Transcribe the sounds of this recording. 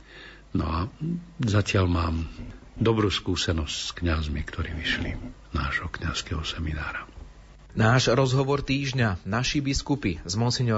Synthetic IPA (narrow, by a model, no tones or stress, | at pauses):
nɔ̰azacɪalmaːm | d̪ɔbɾuːskuːsɛnɔscskɲazmikt̪ʰɔɾiːʋiʃlḭ | naːʒ̥ɦɔkɲaskɛɦɔsɛminaːɾa | naːʒɾɔzɦɔʋɔɾt̪iːʒɲanaʃibiskupizmɔsiɲɔ